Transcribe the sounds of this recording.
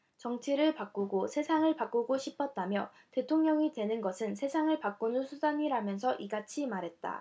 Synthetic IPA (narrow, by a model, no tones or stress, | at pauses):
t͡ɕʌŋt͡ɕʰiɾɯɭpak͈uɡosʰe̞sʰaŋɯɭpak͈uɡoɕʰipʰʌt̚t͈amjʌ̰ | te̞tʰoŋɲʌŋitwe̞nɯnɡʌsʰɯnsʰe̞sʰaŋɯɭpak͈unɯnsʰudaɲiɾamjʌnsʰʌʔiɡat͡ɕʰimaɾɦe̞t̚t͈a̰